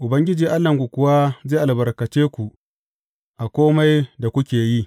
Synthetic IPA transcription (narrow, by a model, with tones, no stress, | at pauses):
ʔʊ˨bɐ˦ŋɡʲɪ˦d͡ʒiː˨ʔa˦lːɐ˨ŋɡʷu˨kʷʊ˦wa˦zeː˦ʔa˨bɐ˨rkɐ˨t͡ʃeː˦kʷu˨ʔ | ʔa˨kʷoː˦ma˦jda˨kʷʊ˦kʲeː˨ji˦